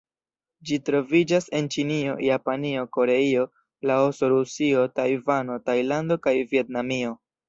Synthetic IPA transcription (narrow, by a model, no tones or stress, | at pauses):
d͡ʒitɾo̞vid͡ʒase̞nt͡ʃinio̞̰japanio̞ko̞ɾe̞io̞ | laosoɾusio̞tajvano̞tajlando̞kajvie̞tnamio̞